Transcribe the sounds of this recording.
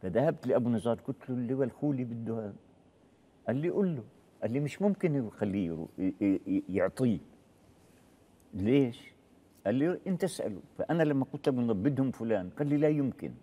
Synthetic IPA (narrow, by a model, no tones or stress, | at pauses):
faðahab̚t̪lɪʔabunɑzˤɑːɾˤkʊt̪lʊlːɪwalxuːlibɪd̪ːʊhaːb̚ | ʔalːiʔʊlːʊ | ʔalːimɪʃmʊmkɪnxalːiɾṵ | jʊʕt̪ˤiː | leːʃ | ʔalːiʔɪnt̪ʔasʔa̰lṵfaʔanalamːaqʊlt̪ʔabunðˤɑbːɪd̪hʊmfʊlaːnqalːilajʊmkɪ̰n